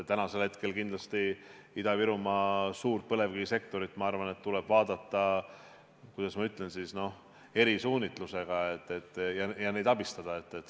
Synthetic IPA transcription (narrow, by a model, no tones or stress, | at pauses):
t̪ænɑse̞lhe̞t̪ke̞lkind̪lɑst̪iid̪̥ɑviɾumɑsuːrt̪̚pɤle̞vɡiise̞k̚t̪o̞ɾit̪ːmɑɑrvɑne̞t̪ːulɛb̥vɑːd̪̥ɑt̪ːˑɑ | kujd̪̥ɑsmɑyt̪ˑlensisno̞h | e̞ɾisuːnit̪ˑluse̞ɡ̥ɑet̪ːˑe̞t̪ˑːjɑjɑnejd̪ɑbist̪ɑd̪̥ɑe̞t̪ːet̪ː